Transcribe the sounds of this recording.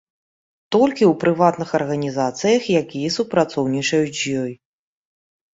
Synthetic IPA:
t̪ɔlʲkʲiuwpɾɨvat̪nɨxɐrɣɐnʲizat̪sɨjɐxjakʲijɐsupɾat̪sɔwnʲit͡ʂɐjut͡sʲjɔj

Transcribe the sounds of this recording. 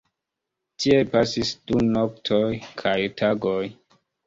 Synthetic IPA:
tʰiepasisd̥unoktʰojkʰajtʰaɡoj

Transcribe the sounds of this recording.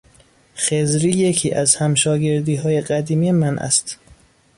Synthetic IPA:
xezɾiːje̞cʰḭːʔæzhæmʃɒːɟe̞ɾd̪iːɦɒːje̞ɢæd̪iːmiːjemænʔæ̰st̪

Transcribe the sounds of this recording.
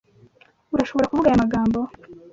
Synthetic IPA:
uɾaʃo̞βo̞ɾakuvuɡajamaɡaːmbo

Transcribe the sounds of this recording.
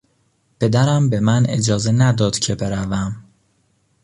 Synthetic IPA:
pʰe̞d̪æɾæmbe̞mæned͡ʒɒːze̞næd̪ɒːd̪̥cʰe̞be̞ɾævæm

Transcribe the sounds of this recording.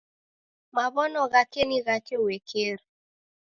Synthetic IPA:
maβɔnɔɣakeniɣakewekʰer

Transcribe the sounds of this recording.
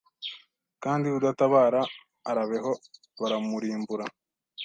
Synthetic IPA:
kaːndiβudataβaːɾaː | ɾaβe̞ɦo̞ | βaɾamuɾiːmbuɾa

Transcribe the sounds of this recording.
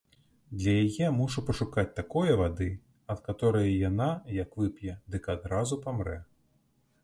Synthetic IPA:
d̪lʲɐjajɛmuʂupɐʂukat͡sʲt̪akɔjɐvad̪ɨ | ɐt̪kat̪ɔɾɐjɐjanajɐkvɨpʲjɛd̪ɨkad̪ɾazupamɾɛ

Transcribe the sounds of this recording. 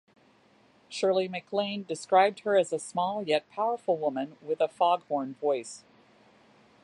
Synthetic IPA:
ʃɜ˞lˠimɨkʰlẽɪ̃ndɨskɹaɪb̚d̚hə˞ɨzɨsmɔlˠjɛt̚pʰaʊə˞fl̩ˠwʊmɨ̃nwɪðəfɑɡhɔ̃ɹnvɔɪs

